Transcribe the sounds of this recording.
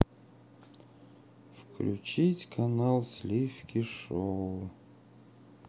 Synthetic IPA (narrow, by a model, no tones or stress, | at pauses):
fkʰlʲṵt͡ʃitʲkʰanalˠslʲifkʲʰiʂo